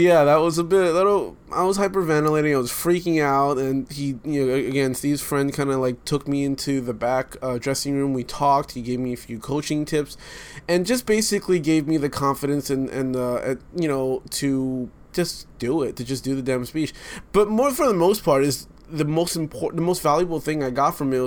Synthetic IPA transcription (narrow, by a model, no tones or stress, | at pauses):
jæðət̚wʌzəbɪɾlɪɾ̩ˠ | ʔa̰ɪwʌz̥haɪpə˞væ̃nəleɪɾɪ̃ŋaɪwʌz̥fɹikɪ̃ŋaʊɾɨ̃nijɨnoʊɨɨɡɛ̃nstivz̥fɹɛ̃nd̚kʰãɪ̃ndəlaɪk̚tʰʊk̚miɪ̃ntʰʉðɨbækʌdɹɛsɪ̃ŋɹʉ̃mwitʰɔk̚t̚hiɡeɪvmiɨfjʉkʰoʊt͡ʃɪ̃ŋtʰɪpsɨ̃nd͡ʒʌsb̥eɪsɨkliɡeɪvmiðɨkʰɑ̃ɱfɨɾɨ̃nsɨ̃nʔɨ̰̃nʌɨ̃jɨñoʊɾʰɨ̥ | d͡ʒ̥ʌsd̥ɨɪtʰɨd͡ʒʌs̬d̥ɨðɨdæ̃mspit͡ʃb̥ʌt̚mɔɹfə˞ðəmoʊspʰɑɹɾɨz | ðɨmoʊstm̩pʰɔɹʔðəmoʊstvælˠjɨbl̩ˠθɪ̃ŋaɪɡɑtfɹʌ̃mi